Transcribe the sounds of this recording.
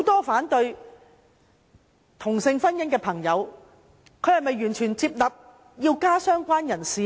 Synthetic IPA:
ho˨˥wt̪ɔː˥faː˨˥nt̪ɵ˧ɥ | t̪ʰʊ˨˩ŋsɪ˧ŋfɐ˥njɐ˥ŋkɛː˧pʰɐ˨˩ŋjɐ˨˧w | kʰɵ˨ɥhɐ˨˩jmɐ˨˩jɥyː˨˩nt͡ʃʰyː˨˩nt͡siː˧p̚lɐ˨p̚ | jiː˧wkaː˥sœː˥ŋkʷaː˥njɐ˨˩nsiː˨˧

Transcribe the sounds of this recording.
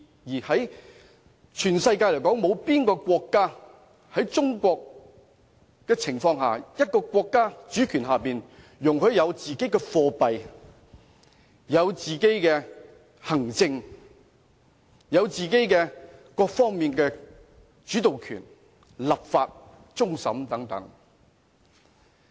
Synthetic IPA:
jiː˨˩hɐ˨˥j | t͡ʃʰyː˨˩nsɐ˧jk̬aː˧jljkɔː˨˥ŋmo˨˧wpiː˥nkɔː˧kʷɔː˧kːaː˥ | hɐ˨˥jt͡sʊ˥ŋkʷɔː˧k̚ | kɛː˧t͡sʰɪ˨˩ŋfɔː˧ŋha̰ː˨jɐ˥t̚kɔː˧kʷɔː˧kːaː˥t͡ʃyː˨˥kʰyː˨˩nɦaː˨piː˨n | jʊ˨ŋɦɵ˧ɥjɐ˨˧wt͡siː˨ke˥jkɛː˧fɔː˧pɐ˨j | jɐ˨˧wt͡siː˨ke˥jkɛː˧ | hɐ˨˩ŋt͡sɪ˧ŋ | jɐ˨˧wt͡siː˨ke˥jkɛː˧kɔː˧k̚fɔː˥ŋmiː˨nkɛː˧ | t͡ʃyː˨˥t̪o˨wkʰy̰ː˨˩n | lɐ˨p̚faː˧t̚ | t͡sʊ˥ŋsɐ˨˥mt̪ɐ˨˥ŋt̪ɐ̰˨˥ŋ

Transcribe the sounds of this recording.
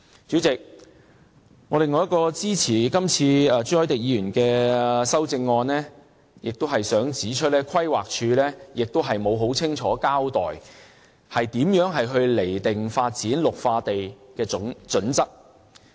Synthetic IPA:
t͡syː˨˥t͡sɪ˨k̚ | ŋɔː˨˧ɾe˨ŋːɔː˨˧jɐ˥tkɔː˧t͡siː˥t͡sʰiː˨˩kɐ˥mt͡sʰiː˧˨˧t͡ʃyː˥ɔ˨˥jt̪ɪ˨k̚jiː˧jyː˨˩nkɛː˧sɐ˥wt͡sɪ˧ŋːɔː˧nlɛː˥ | jɪ˨k̚t̪o˥wɦɐ˨jsœː˨˥ŋt͡siː˨˥t͡ʃʰɵ˥t̚lɛː˥kʰwɐ˥jwaː˨k̚t͡ʃʰyː˧lɛː˥jɪ˨k̚t̪o˥wɦɐ˨jmo˨˧wɦo˨˥wt͡sʰɪ˥ŋt͡ʃʰɔː˨˥kaː˥wt̪ɔː˨j | hɐ˨jt̪iː˨˥mjœː˨˥ŋɦɐ˨jɦɵ˧ɥle˨˩jt̪ɪ˨˩ŋfaː˧t̚t͡siː˨˥nlʊ˨k̚faː˧t̪e˨jkɛː˧˨˥t͡ʃɵ˨˥nt͡sɐ˥k̚

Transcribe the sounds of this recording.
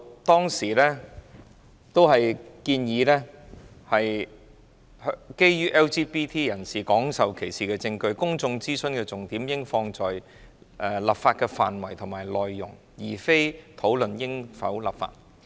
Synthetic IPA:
t̪ɔː˥ŋsiː˨˩lɛː˥ | t̪o˥whɐ˨jkiː˧njiː˨˧lɛː˥ | hɐ˨j | hke˥jjyː˥ʔɛː˥wt͡ʃiː˥piː˥t̪ʰiː˥jɐ˨˩nsiː˨kɔː˨˥ŋsɐ˨wkʰe˨˩jsiː˨˩kɛː˧t͡sɪ˧ŋkɵ˧ɥkʊ˥ŋt͡sʊ˧ŋt͡siː˥sɵ˧nkɛː˧t͡sʊ˨ŋt̪iː˨˥mjɪ˥ŋfɔː˧ŋt͡sɔː˨j | ʔɛː˧la˨˩pfaː˧t̚kɛː˧faː˨nwɐ˨˩jt̪ʰʊ˨˩maː˨˩jlɔː˨jːʊ˨˩ŋ | jiː˨˩fe˥jt̪ʰo˨˥wlɵ˨njɪ˥ŋfɐ̰˨˥wlɐ̰˨˩pfa̰ː˧t̚

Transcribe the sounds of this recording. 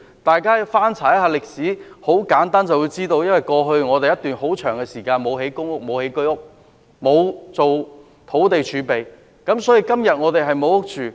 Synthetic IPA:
t̪aː˨jkaː˥˨faː˥nt͡sʰaː˨˩jɐ˥thɦaː˧˩lɪ˨k̚siː˨˥ho˨˥wkaː˨˥nt̪aː˥nt͡sɐ˨wju˨˧wt͡siː˥t̪o˧wjɐ˥nwɐ˨˩jkɔː˧ɦɵ˧ɥŋɔː˨˧t̪e˨jɐ˥t̪yː˨nɦo˨˥wt͡ʃʰœː˨˩ŋkɛ˧siː˨˩kaː˧nmo˨˧wɦe˨˥jkʊ˥ŋʊ˥k̚mo˨˧whe˨˥jkɵ˥ɥʊ˥k̚ | mo˨˧wt͡so˨w | t̪ʰo˨˥wt̪e˨jt͡ʃʰyː˨˧pe˨j | kɐ˨˥msɔː˨˥ji˨˧kɐ˥mjɐ˨t̚ŋɔː˨˧t̪e˨jɦɐ˨jmo˨˧wʊ˥k̚t͡ʃyː˨

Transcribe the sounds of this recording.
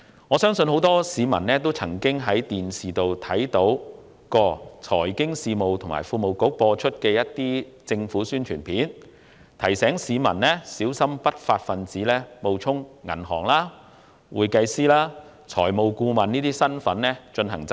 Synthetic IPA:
ŋɔː˨˧sœː˥ŋsɵ˧nɦo˨˥wt̪ɔː˥siː˨˧mɐ̰˨˩nlɛː˥t̪o˥wt͡sʰɐ˨˩ŋkɪ˥ŋɦɐ˨˥jt̪iː˨nsiː˨t̪o˨wt̪ʰɐ˨˥jt̪o˨˥w | kɔː˧t͡sʰɔː˨˩jkɪ˥ŋsiː˧mo˨wt̪ʰʊ˨˩ma̰ː˨˩jfuː˨˧mo˨wko˨˥k̚pɔː˧t͡ʃʰɵ˥t̚kɛː˧jɐ˥t̚t̪iː˥t͡sɪ˧ŋfuː˨˥syː˥nt͡ʃʰyː˨˩npʰiː˨˥n | t̪ʰɐ˨˩jsɛː˨˥ŋsiː˨˧mɐ˨˩nlɛː˥siː˨˥wsɐ˥mpɐ˥t̚faː˧t̚fɐ˨nt͡siː˨˥lɛː˥mo˨˧wt͡sʰʊ˥ŋːŋɐ̰˨˩nɦɔː˨˩ŋlaː˥ | wuː˨˧jkɐ˧jsiː˥laː˥ | t͡sʰɔː˨˩jmo˨˧wkuː˧mɐ˨˩niː˥t̪iː˥sɐ˥nfɐ˨˥nlɛː˥t͡ʃɵ˧nɦɐ˨˩ŋt͡sɐ˥

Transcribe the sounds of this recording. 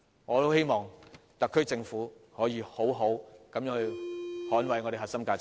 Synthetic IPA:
ŋɔː˨˧t̪o˥whe˥jmɔː˨˩ŋ | t̪ɐ˨kʰːɵ˥t͡sɪ˧ŋfuː˨˥hɔː˨˥jiː˨˧ho˨˥wɦo˨˥wkɐ˨˥mjœː˨˥ŋhɵ˧ɥhɔː˨˥nwɐ˨˩jŋɔ˨˧ɾe˨˩ɦɐ˨tsɐ˥mkaː˧t͡sɪ˨

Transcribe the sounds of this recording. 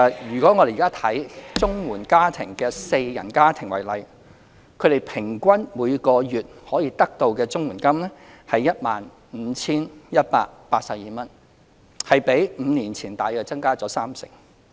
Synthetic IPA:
jyː˨˩kɔː˨˥ŋɔ˨˧d̪e˨˩jːkaː˥t̪ʰɐ˨˥jt͡sʊ˥ŋwuː˨˩nkaː˥t̪ʰɪ˨˩ŋkɛː˧se˧jjɐ̰˨˩nkaː˥t̪ʰɪ˨˩ŋwɐ˨˩jlɐ˨j | kʰɵ˨˧ɾe˨jpʰɪ˨˩ŋkʷɐ˥nmuː˨˧jkɔː˧jyː˨t̚hɔː˨˥jiː˧t̪ɐ˥k̚t̪o˧wkɛː˧t͡sʊ˥ŋwuː˨˩nkɐ˥mlɛ˥hɐ˨jːɐ˥t̚maː˨n | m̩ː˨˧˦t͡sʰiː˥njɐ˥t̚pa̰ː˧k̚paː˧t̚sɐ˨p̚jiː˨mɐ˥n | hɐ˨jpe˨˥jm̩˨˧niː˨˩nt͡sʰiː˨˩nt̪aː˨˧jkɛː˧t͡sɐ˥ŋkaː˥t͡sɔː˨˥saː˥msɪ̰˨˩ŋ

